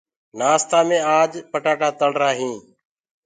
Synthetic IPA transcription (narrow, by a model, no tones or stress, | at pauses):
naːst̪aːmẽːaːd͡ʒpəʈaːʈaːt̪əlɾaːɦĩː